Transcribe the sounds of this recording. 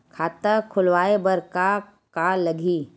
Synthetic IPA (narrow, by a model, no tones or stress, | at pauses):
kʰaːt̪əkʰʊlʋaːebɐɾka | kalɐɡʱiː